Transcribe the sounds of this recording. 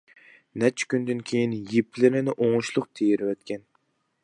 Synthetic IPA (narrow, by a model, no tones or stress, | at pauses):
nɛt͡ʃʰɪ̥kʲynd̪ɪnkʲʰejinjepʰlɪɾɪnɪʔoŋʊʃlˠʊqt̪ʰejɾwɛt̪kʲʰɛn